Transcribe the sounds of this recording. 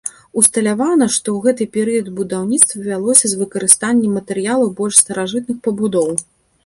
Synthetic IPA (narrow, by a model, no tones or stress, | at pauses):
ust̪ɐlʲavanɐʂt̪ɔɣɛt̪ɨpʲɛɾɨjɐd̪bud̪awnʲit̪st̪vɐvʲalˠɔsʲɐzvɨkɐɾɨst̪anʲːɛmːɐt̪ɛɾɨjalˠɐbɔlʲʂst̪ɐɾaʐɨt̪̚nɨxpɐbud̪ɔw